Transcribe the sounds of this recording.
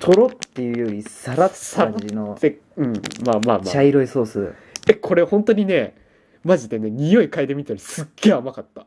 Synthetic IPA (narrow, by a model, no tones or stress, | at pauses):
t̪ʰo̞ɾot̪ːejɯ̟ːjoɾʲisaɾasainoe | ɯ̟̃maːmaːma̰t͡ɕaiɾoisoːsɨ | ekʰo̞ɾe̞ohõ̞nt̪o̞ɲ̟ine̞ | maʑid̪e̞ne̞ɲ̟ijo̞ikaid̪e̞mʲit̪aɾʲisɨɡ̥ːe̞ːamakat̪ːa